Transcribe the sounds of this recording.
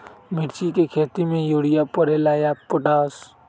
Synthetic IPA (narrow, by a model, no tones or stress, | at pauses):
mɪʈt͡ʃikekʰeːt̪imẽjoːɽɪjapəɾelaːjapʊʈaːs